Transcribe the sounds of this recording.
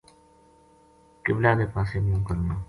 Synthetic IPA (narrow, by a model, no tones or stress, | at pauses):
kɪblaːd̪eːpaːseːmũːkəɾnaː